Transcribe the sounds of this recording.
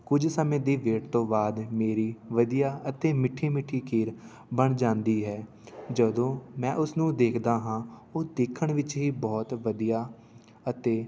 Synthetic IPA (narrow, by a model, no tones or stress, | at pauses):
kʊd͡ʒsəmẽːd̪iːʋeːʈt̪õːbaːd̪meːɾiːʋəd̪ijaːət̪eːmɪʈʰːiːmɪʈʰːiːkʰiːɾ | bəɳd͡ʒãːnd̪iːɦɛː | d͡ʒəd̪õːmɛ̃ːʔʊsnũːd̪eːkʰd̪aːɦãːoːd̪eːkʰːəɳʋɪt͡ʃɦiːbɔːt̪ʋəd̪ijaː | ət̪eː